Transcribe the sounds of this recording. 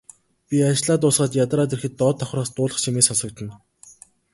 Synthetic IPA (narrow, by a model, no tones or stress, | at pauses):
pʲiat͡ɕɪɮaːt̪ʊːsɢaːt̪jat̪rɾaːt̪erxɘ̆t̪ːɔːt̪ʰːɔχraːst̪ʊːɮə̆χt͡ɕʰimeːsɔsɞ̆k̚t̪ə̆n